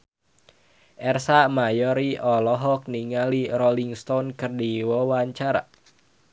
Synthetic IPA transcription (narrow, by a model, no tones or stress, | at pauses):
ʔɛrsamajɔɾiʔɔlɔɦɔk̚niŋaliɾɔliŋst̪ɔnkɨrdiwɔwaɲt͡ʃaɾa̰